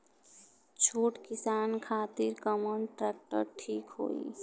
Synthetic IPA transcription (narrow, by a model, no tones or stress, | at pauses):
t͡ʃʰoːʈkɪsaːnkʰaːt̪ɪɾkəmɔɳʈɾɛːk̚ʈə̰ɾʈʰiːkɦo̰ːḭː